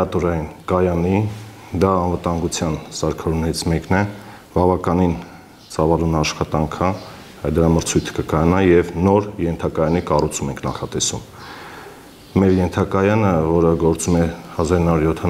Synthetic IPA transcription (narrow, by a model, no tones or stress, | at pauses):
ɑt̪uɾɑjinkɑjɑni | d̪ɑːnvət̪ɑŋɡut͡sʰjɑnsɑɾkʰɑɾunɛɾit͡sʰmɛknɛ | bɑvɑkɑnin | t͡sɑvɑlunɑʃχɑt̪ɑŋkʰə | ɑd̪əɾɑməɾt͡sʰujt̪ʰkəkɑjɑnɑjɛvnɔɾjɛnt̪ʰɑkɑjɑnikɑrut͡sʰumɛŋkʰnɑ̰χɑt̪ɛsum | mɛɾjɛnt̪ʰɑkɑjɑnəvɔɾəɡɔɾt͡sumɛhɑzɑɾinːɑuɾjɔt̪ʰɑ